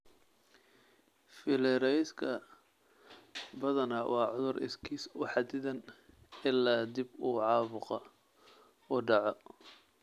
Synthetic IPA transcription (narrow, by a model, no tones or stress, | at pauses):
fɪlɛɾɛjskʰɐ | bɐðɐnɐwʔɑːʕʊðʊrʔɪ̰skʰiːsʊħɑd̪ɪðɐn | ɪlːaːd̪ibuːʕɑːβʊqɔ | ʊɖɑʕɔ